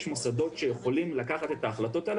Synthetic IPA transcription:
ʃmosad̪o̞t̪ʃe̞je̞χo̞limlakaχat̪e̞t̪aːχlato̞t̪al

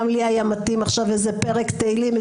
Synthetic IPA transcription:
mliajamat̪imaχʃavezepeʁekt̪eilim

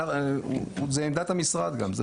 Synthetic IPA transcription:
zeemd̪at̪hamisʁad̪ɡamzḛ

